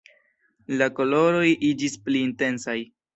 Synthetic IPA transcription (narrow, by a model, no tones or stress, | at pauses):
lako̞lo̞ɾo̞jʔid͡ʒispliːnte̞nsaj